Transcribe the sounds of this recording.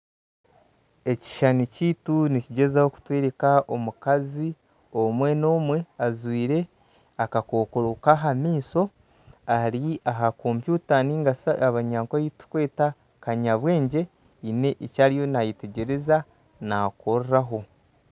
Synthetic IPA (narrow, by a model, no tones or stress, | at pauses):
e̞ci̥ʃaniciːtuniciɟe̞zahoku̥tweːɾekaomukazi | omwe̞no̞ːmwe̞azwiːɾe̞ | akako̞ːkoɾokaɦamiːso̞ | aɾiaɦako̞mpjuːtaniːŋɡasaβaɲaːŋkajitu̥kwe̞ːta | kaɲaβwe̞ːɲɟe̞ | ine̞ʔicaːɾijo̞najite̞ɟe̞ɾe̞za | nako̞ɾɾaɦo̞